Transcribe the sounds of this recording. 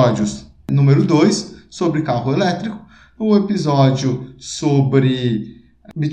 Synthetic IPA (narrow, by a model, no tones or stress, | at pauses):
ɔd͡ʒiʊs | nũmeɾʊd̪ojsːobɾɪkaɦʊelɛt̪ɾikʊ̥ | ʊ̃epizɔd͡ʒʊsobɾɪ | bi